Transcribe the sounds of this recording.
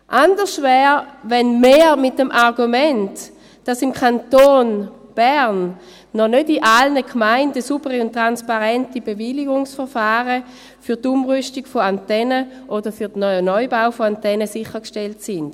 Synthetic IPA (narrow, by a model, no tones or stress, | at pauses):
ʔandəʁʃtvɛːʁvɛnmeːmɪt̚d̥emʔaʁɡumɛnt | d̥asimkʰantoːnb̥ɛʁnː | ɔnødiʔalnəkʰmaɪndəsubəʁiʊntːʁanspaʁɛntibeviliɡʊŋsfəʁfaːʁə | fytumʁystiɡfoantɛnə | ʔodəfyɐdənɔjənɔʏbaʊfoantɛnəsɪχːəkʃteltsɪnd̥